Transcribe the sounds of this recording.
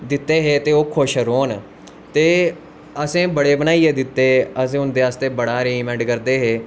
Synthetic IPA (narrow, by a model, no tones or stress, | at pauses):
d̪ɪt̪ːeːɦeːt̪eːoːkʰʊʃɾoːn | t̪eː | əsẽːbəɽeːbənaːiːeːd̪ɪt̪ːeːəs̬ẽːʊnd̪eːaːst̪eːbəɽaːɾemɛ̃ɳɖkəɾd̪eːɦeː